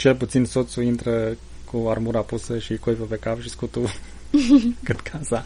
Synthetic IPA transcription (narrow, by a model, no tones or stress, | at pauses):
t͡ʃe̞lput̪sinso̞t̪suint̪ɾə | kuarmuɾapusəʃikojvəpekapʃiskut̪u | kɨt̪kʰasa